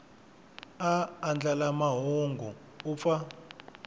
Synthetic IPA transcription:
aːnd͡ɮalamaɦoŋɡu | up̪fa

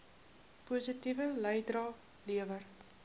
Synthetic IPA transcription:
puːsitivələjdrɑː | liəvər

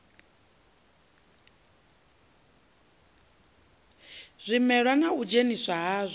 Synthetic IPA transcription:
z̥ʷimɛɺwanaud͡ʒenisʷaɦaːzʷi

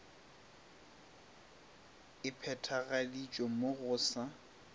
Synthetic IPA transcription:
ɪpʰɛtʰaɣalit͡ʃʼomoɣʊːsa

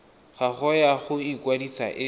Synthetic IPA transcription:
χaχɔjaχʊikwadisa̰ʔɪ

